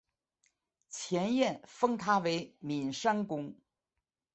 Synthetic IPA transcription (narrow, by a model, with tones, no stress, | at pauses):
t͡ɕʰjɛ˧˥njɛ˥˩nfɤ˥ŋt̪ʰa˥we˧˥ɪmi˨˩nʂa˥nkʊ˧˥ŋ